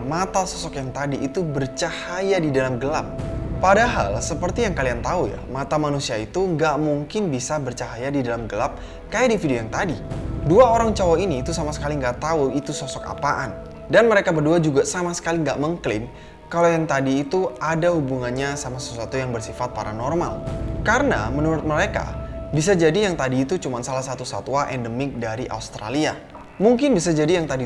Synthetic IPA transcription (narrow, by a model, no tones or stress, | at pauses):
mat̪asɔsɔkjaŋt̪adiʔːt̪ubərt͡ʃahajadidalamɡəlap̚ːadaɦa̰lsəpərt̪ijaŋkaliant̪auja̰mat̪amanusiait̪uŋɡaʔmuŋkɪnbisabərt͡ʃaɦajadidalamɡəlap̚ | kajaʔdifidiojaŋt̪adiduaoɾaŋt͡ʃawainiːt̪usamasə̥kaliŋɡaʔt̪auit̪usɔsɔka̰paʔan | danməɾekabərduad͡ʒuɡasamasə̥kaliŋɡaʔməŋklɪn | kalawjaŋt̪adiːt̪uadahubuŋanɲasamasasat̪ujaŋbərsifat̪̚paɾanɔrma̰lkaɾəna̰mənuɾʊt̪̚məɾeka̰bis̬ad͡ʒadijaŋt̪adiːt̪ut͡ʃumansalahsat̪usa̰t̪uaʔɛndəmɪk̚daɾiʔa̰ust̪ɾa̰lia | muŋkɪnbisad͡ʒadijaŋt̪adi